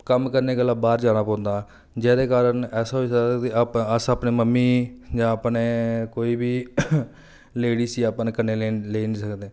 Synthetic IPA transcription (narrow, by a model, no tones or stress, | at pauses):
kəmkəɾneːɡəlːãːbaːɾd͡ʒaːnaːpɔ̃ːnd̪aː | d͡ʒɛːd̪eːkaːɾənɛːsaːɦoiːsəd̪t̪eːapəsaːpneːməmːiːd͡ʒãːəpneːkoːiːbiː | leːɽiːsiːaːpnkəneːleleːnĩːsəkd̪eː